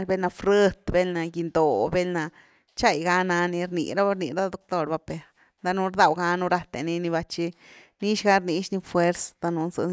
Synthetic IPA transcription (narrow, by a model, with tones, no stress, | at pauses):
lbe˦lna˧fɾə˦t̪be˦lna˧ɡi˧nd̪o˨be˦lna˧ | t͡ʃa˦˧˨jɡa˧˦na˧ni˧ɾnḭ˨ɾa˦ba˦ɾnḭ˧ɾa˦d̪o˧k̚t̪o˧ɾba˧pe˧ | d̪a˧nu˧ɾd̪a˧wɡa˦nu˧ɾa˧t̪ḛ˧ni˧ni˧βa˧t͡ʃi˧ | ni˦ʃɡa˦ɾni˧˦ʃni˧fwe˦ɾsd̪a˧nu˧nzɨ̰˧